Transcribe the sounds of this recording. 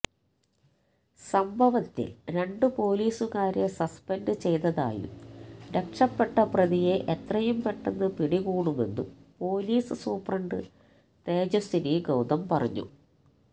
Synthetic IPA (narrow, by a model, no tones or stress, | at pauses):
sɐmbʱɐʋɐt̪ːḭɾe̞ɳɖɨpo̞ːliːsuɣaːɾe̞sɐspenɖɨt͡ɕe̞jt̪ɐða̰ːjṵmɾe̞kʂɐpːe̞ʈːɐprɐðije̞ʔet̪rɐjumpe̞ʈːenːɨpiɽiɣuːɳume̞̰nːṵpo̞ːliːsɨsuːprɐɳɖɨ | t̪e̞ːd͡ʑosiniɡɐwd̪ɐmpɐrɐ̰ɲːṵ